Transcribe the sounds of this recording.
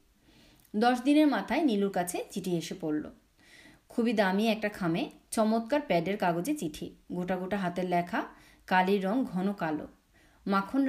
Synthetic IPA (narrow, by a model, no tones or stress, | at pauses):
d̪ɔʃd̪ineɾmat̪ʰaeniluɾkat͡ɕʰet͡ɕiʈʰieʃepoɾlo̰ | kʰubid̪amiɛk̚ʈakʰamet͡ɕɔmot̪̚kaɾpɛɖeɾkaɡod͡ʑet͡ɕiʈʰiɡoʈaɡoʈaɦat̪eɾlɛkʰa | kaliɾːɔŋɡʱɔnokalo̰ | makʰon